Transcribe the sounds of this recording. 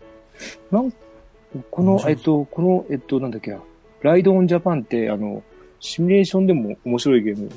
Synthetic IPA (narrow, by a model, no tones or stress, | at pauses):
nãŋk | ko̞noʔe̞t̪ːo̞ko̞no̞ʔe̞t̪ːo̞nãnd̪akːea | ɾaid̪õːɲd͡ʑapãnt̪ːe̞a̰no̞̰ | ɕimʲiɾe̞ːɕõ̞nd̪e̞mo̞omo̞ɕiɾo̞iɡe̞ːmɯ̟